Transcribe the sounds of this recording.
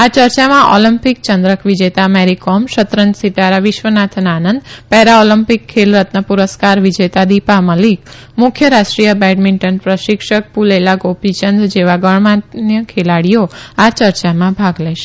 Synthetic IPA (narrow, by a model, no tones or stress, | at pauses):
at͡ʃəɾt͡ʃamãʔolimpik̚t͡ʃənd̪ɾəkʰʋid͡ʒet̪ameɾikomʃət̪ɾənd͡ʒ̪sit̪aɾaʋɪʃʋənat̪ʰnaːnənd̪pɛɾaolimpikʰːelɾət̪nəpuɾəskaɾʋid͡ʒet̪ad̪ipaməlik | mʊkʰjəɾaʃʈɾijəbɛɖmiɳʈənpɾəʃikʃək̚pulelaɡopit͡ʃənd̪d͡ʒeʋaɡəɳmanjəkʰelaɽijoat͡ʃəɾt͡ʃamãbʱaɡlɛʃe̥